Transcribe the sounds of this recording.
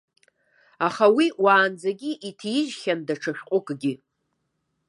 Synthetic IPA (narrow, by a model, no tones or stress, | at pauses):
aχawiwaːnd͡zaɡʲiʔitʰjɪʒχʲandaʈ͡ʂʰaʃᶣqʷʼʊkʼɡʲi